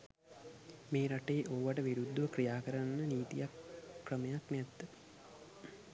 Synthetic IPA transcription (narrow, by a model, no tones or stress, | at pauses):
meːɾaʈeːʔoʋaʈəʋiɾud̪ːuʋəkrijaːkəɾanːəniːt̪ḭjakːrəməjaknæt̪ːə